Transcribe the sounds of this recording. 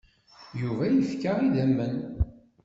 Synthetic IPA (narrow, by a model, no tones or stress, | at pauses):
juvæjifkaʁiðæmːən